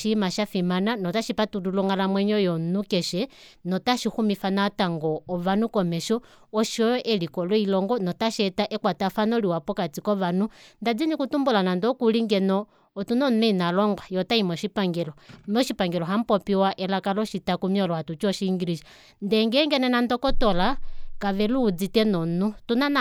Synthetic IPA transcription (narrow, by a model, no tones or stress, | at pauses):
ʃimaʃafimananɔtaʃipatudulɔŋɡalamwɛɲɔjɔnukɛʃɛ | nɔtaʃixumifanataŋɡɔːʋanukɔmɛʃɔ | ɔʃɔɛlikɔlɔilɔŋɡɔnɔtaʃɛtaʔɛkwatafanɔliwapɔkat͡sikɔβanundad͡zinikutumbulanandɔkuliŋɡɛnɔː | tunɔnuinalɔŋɡwajɔtaimɔʃipaŋɡɛlɔmɔʃipaŋɡɛlɔɦam̩pɔpiwaʔɛlakalɔʃitakumiɔlɔhatut͡ʃɔʃiːŋɡiliʃa | ndɛŋɡɛŋɡɛnɛnandɔkɔtɔlakaʋɛluːd͡zitɛnɔnutunan